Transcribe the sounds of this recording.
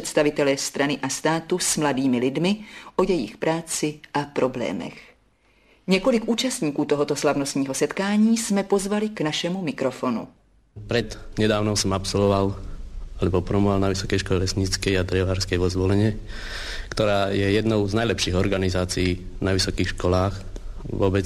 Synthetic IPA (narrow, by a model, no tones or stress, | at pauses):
ɛt̪st̪avɪt̪ɛlɛst̪ɾanɪʔast̪aːt̪usmladiːmɪlɪdmɪʔo̞jɛjɪ̰xpɾʔaːt͡sɪʔapɾoblɛ̰ːmɛ̰x | ɲɛkolɪkʔuːt͡ʃast̪ɲiːkuːt̪oɦot̪o̞slavnost̪ɲiːɦo̞sɛt̪kaːɲiːsmɛpo̞zvalɪknaʃɛmumɪkɾofonṵ | pɾɛd̪ɲɛd̪aːʊnɔʊsɔmapsɔlʋɔʋalalɛbɔpɾɔmɔɦalnaʋisɔkɛjʃkɔlɛlɛsɲit͡skɛjat̪ɾɛʋaːɾskɛjʋɔzʋɔlɛɲɛ | kt̪ɔɾaːjɛjɛd̪nɔʊznajlɛpʃiːɣɔɾɡanizaːt͡siiː | naʋisɔkiːxʃkɔlaːx | ʋɔbɛt͡s